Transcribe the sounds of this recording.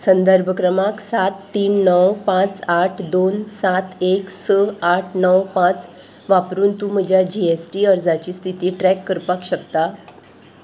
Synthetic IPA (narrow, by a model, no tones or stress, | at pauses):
sənd̪əɾbʱəkɾəmaksaat̪ːiːnːəwpãt͡saʈʰd̪onsat̪eksəaʈʰnəwpãt͡s | ʋapɾuːnt̪um̤əd͡ʑʱjad͡ʑiesʈiːəɾd͡zat͡ɕiːst̪ʰit̪iːʈɾɛkːəɾpakɕək̚t̪a